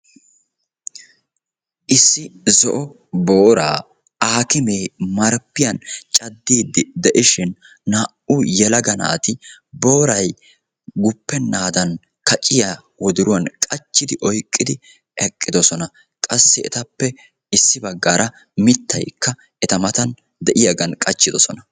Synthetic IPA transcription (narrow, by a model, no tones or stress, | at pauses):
ʔɪsːɪzɔʔɔ | boːɾa̰ː | aːkɪme̞ːmɐɾpːɪjɐnt͡ʃʼɐd̪ːiːd̪ːɪd̪ɛʔɪʃɪnː | aʔʊjɛlɐɡɐnɐ̰ʔɐt̪ɪbo̞ːɾɐj | ɡʊpːɛnːaːd̪ɐn | kɐt͡ʃʼɪja | wɔd̪ʊɾʊwɐnkʼɐt͡ʃːɪd̪ɪʔɔjkʼːɪd̪ɪ | ɛkʼːɪd̪ɔsɔnɐ | kʼɐsːɪɛ̰t̪ɐpːɛ | ɪsːɪbɐɡːaːɾʔɐ | mɪt̪ːɐ̰jkːɐ | ɛt̪ɐmɐt̪ɐn | d̪ɛʔɪjɐɡɐnkʼɐt͡ʃːɪd̪ɔsɔnɐ